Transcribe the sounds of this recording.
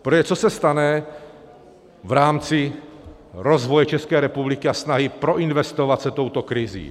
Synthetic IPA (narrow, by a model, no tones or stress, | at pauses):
pɾojɛt͡sosɛst̪anɛ | vɾaːmt͡sɪ | ɾozvojɛt͡ʃɛskɛːɾɛpublɪkɪasnaɦɪpɾo̞ʔɪnvɛst̪ovat̪sɛt̪o̞wt̪okɾɪzḭː